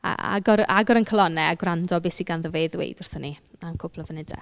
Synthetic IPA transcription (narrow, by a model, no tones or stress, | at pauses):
a̰a̰ɡɔɾaɡɔɾənkʰəlˠɔnɛaɡwrandɔbɪsiɡanðəveːðwḛɨdʊrθəniankʰʊpʰlˠəvənɪdɛ̰